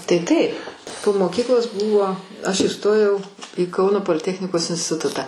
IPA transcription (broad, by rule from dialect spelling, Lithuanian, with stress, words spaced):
tɐɪ ˈtɐɪp poː moːˈkʲiːklˠoːs ˈbuːʋoː ɐʃ iːˈstoːjɛʊ iː ˈkɐʊnoː poːlʲɪˈtʲæːxʲnʲɪkoːs ɪnʲsʲtʲɪˈtʊtɑː